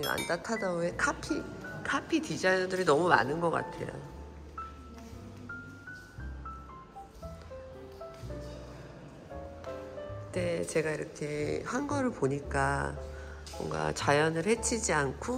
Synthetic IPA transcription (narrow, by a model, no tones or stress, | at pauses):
a̰ntatʰadaoekʰapʰikʰapʰitid͡ʑajudɯɾinʌmuma̰nɯnɡʌk͈a̰tʰe̞̰jo̰ | kɯt͈e̞t͡ɕe̞ɡaiɾʌkʰe̞hanɡʌɾɯɭpoɲik͈a | mʌ̰ŋɡa̰t͡ɕajʌnɯɭhe̞t͡ɕʰid͡ʑiankʰo